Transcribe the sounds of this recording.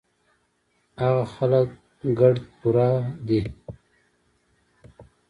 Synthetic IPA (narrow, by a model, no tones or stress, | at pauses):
aɣaxalak | ɡaɖ̪puɾad̪i